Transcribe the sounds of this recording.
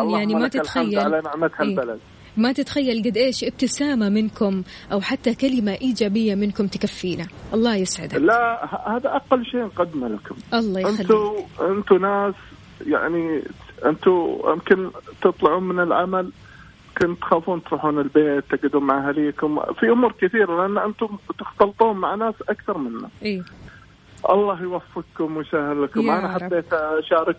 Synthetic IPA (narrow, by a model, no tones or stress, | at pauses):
jaʕnimat̪ɪlxajːalalanaʕmat̪halːbalad̪̚ | mat̪ɪt̪xajːalɡad̪ʔeːʃʔɪb̚t̪ɪsaːmamɪnkʊm | ʔawħat̪ːakalɪmaʔiːd͡ʒaːbɪjːamɪnkʊmt̪ɪ̥kafːiːnaʔɑlˤːɑːjɪsʕɪ̰d̪alahahaːðaʔaqːalːʃeːʔnqad̪malakʊmʔɑlˤːɑːjɪnalːt̪uʔɪnt̪unaːs | ja̰ʕniʔɪ̰nt̪ujɪ̰mkɪnt̪ɨt̪ˤlʊʕuːnmɪnɪlʕa̰mal | kʊnt̪xaːfuːnt̪ɾuːħuːnɪlbeːt̪ːaɡɪd̪uːnmaʕaɦaliːkʊmfiʔʊmuːɾkɪθiːɾalɪʔanːʔɪnt̪ʊmt̪ɪxt̪ɑlt̪ˤuːnmaʕnaːsʔakθɑɾˤmɪnːa̰ | ʔɑ̰lˤːɑːhjwafːɪqkʊmwjsahɪlkʊmʔanaħad̪ːeːt̪aʃaːɾˤɪk